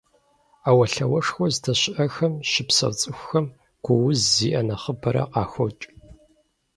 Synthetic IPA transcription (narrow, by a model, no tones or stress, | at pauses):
aːwɐɬɐwɐʂxʷɔztʰɐɕɪʔɐxɐmʃɪpsɐ̰wt͡sʼɨxʷʊxɐm | ɡ̥ʷʊwʊzːḭːʔɐnɐχəbɐɾɐ̰qɑːxʷɔt͡ʃʼ